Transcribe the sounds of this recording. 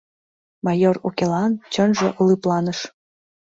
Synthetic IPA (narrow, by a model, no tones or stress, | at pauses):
mɑjorokelɑnt͡ɕənʒĕʔəlɨplˠɑnəʃ